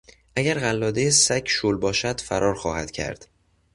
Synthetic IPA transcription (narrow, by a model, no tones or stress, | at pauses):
ʔæɟæɾɣælːɒːd̪ejesæcʰʃoːlbɒːʃæd̪̥fæɾʔɒːɾxɒːhæd̪̥cʰæ̰ɾd̪̥